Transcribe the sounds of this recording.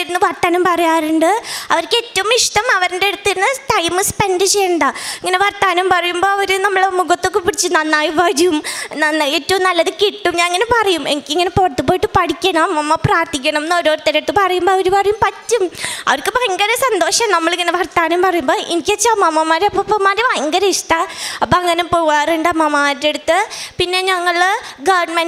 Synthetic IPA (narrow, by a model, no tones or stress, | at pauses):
iɾunːɨʋɐrt̪ːɐnɐmpɐrɐjaːɾuɳɖɨɐʋɐɾkːɨetːɐʋumiʂʈɐmɐʋɐɾundeeɽut̪ːiɾunːɨʈɐjmɨspe̞nɖɨt͡ɕejːɐɳɖaiŋːɐneʋɐrt̪aːnumpɐrɐjumbo̞ːɐʋɐɾunɐmːɐɭemuɣɐt̪ːo̞kːɨpiɽit͡ɕːɨnɐnːaːjiʋɐɾiumnɐnːeːtːɐʋumnɐlːɐðɨkiʈːumɲaːniŋːɐne̞pɐrɐjumḛnikʲːiŋːɐne̞porɐt̪ːup̬ːoːjiʈːɨpɐɽikʲːɐɳɐmːɐmːɐpraːrt̪ikʲːɐɳɐmnːoɾoːɾt̪ːeɾɐʈ̪ːɨpɐrɐjumboːɐʋɐɾupɐrɐjumpɐtːumɐ̰ʋɐɾkːɨʋɐjɐŋɡɐɾɐsɐnd̪o̞ːʂɐmnɐmːɐɭiŋːɐneʋɐrt̪ːaːnumpɐrɐjumbo̞ːʔenikʲːet͡ɕːaːmɐmːɐmaːɾɐpːopːɐmaːɾiʋɐjŋɡɐɾɐiʂʈɐɐpːoɐŋːɐnepoaːreɳɖɐmːɐmːɐaaːeɽut̪ːɨpinːe̞ɲɐŋːɐɭɡɐʋɳmen